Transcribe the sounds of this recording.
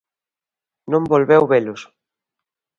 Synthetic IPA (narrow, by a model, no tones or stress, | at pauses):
nõmbolβewβelʊs